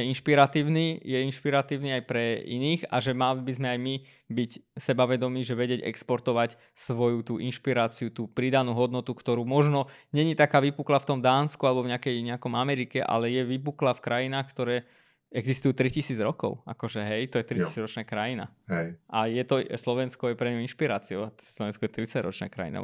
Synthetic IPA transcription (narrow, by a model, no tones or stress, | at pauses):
ɛinʃpiɾat̪iːʊnijɛinʃpiɾat̪iːʊniajpɾɛḭniːxa̰ʒɛmalibizmɛajmi | bicsɛbaʋɛd̪ɔmiːʒɛʋɛɟɪɛɟɛ̰kspɔɾt̪ɔʋac | sʋɔjut̪uːʔinʃpiɾaːt͡siut̪uːpɾid̪anuːɦɔd̪nɔt̪ukt̪ɔɾuːmɔʒnɔɲɛɲit̪akaːʋipuklaft̪ɔmd̪aːnskualɛbɔvɲɛakɛjɲɛakɔmamɛɾikɛʔa̰lɛjɛʋipuklafkɾʔajinaːxkt̪ɔɾɛː | ɛɡzist̪ujuːt̪ɾicisiːd͡zɾɔkɔ̰ʊʔa̰kɔʒɛɦɛjt̪ɔjɛt̪ɾicsiːd͡zɾɔt͡ʃnaːkɾajina̰ɛʔajɛt̪ɔslɔʋɛnskɔjɛpɾɛɲɔinʃpiɾaːt͡siɔʊaslɔʋɛnskɔjɛt̪ɾit͡saɟɾɔ̰t͡ʃna̰ːkɾa̰jḭna̰